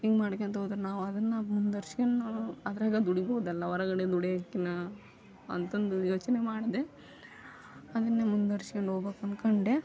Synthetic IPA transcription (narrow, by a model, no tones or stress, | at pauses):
iːɡmaːɽɐkːeːnt̪ɐɦoːd̪ɾunaːʋuɐd̪ɐnːɐmund̪ɐɾsiɡɐnːɐɐd̪ɐɾaːɡɐd̪uɽiboːud̪ɛlːɐʋɐɾɐɡɐɽed̪uɽeɐkːinɐ | ɐnt̪ond̪ujoːt͡ʃɐnemaːɽid̪e | ɐd̪ɐnːemund̪ɐɾʃiɡɐɳɖoːbekɐnkɐɳɖe